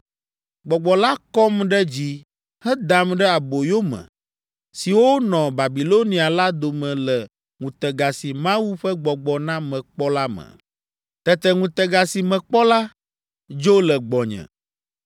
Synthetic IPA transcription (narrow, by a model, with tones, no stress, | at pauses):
ɡ͡bɔ˨ɡ͡bɔ˨la˦kɔ˦mɖɛ˦d͡ʑi˦ | hɛ˦d̪a˨mɖɛ˦a˨bo˨jo˦mɛ̰̃˨ | si˨wo˦nɔ̃˨ba˨bi˨lo˦nĩ˨a˨la˦d̪o˨mɛ̃˨lɛ˨ | ŋũ˨t̪ɛ˨ɡa˨si˨mã˦wu˦ɸɛ˦ɡ͡bɔ˨ɡ͡bɔ˨nã˦mɛ̃˨k͡pɔ˦la˦mɛ̰̃˨ | t̪ɛ˦t̪ɛ˨ŋũ˨t̪ɛ˨ɡa˨si˨mɛ̃˨k͡pɔ˦la˦ | d͡ʒo˦lɛ˨ɡ͡bɔ˨ɲɛ̰̃˨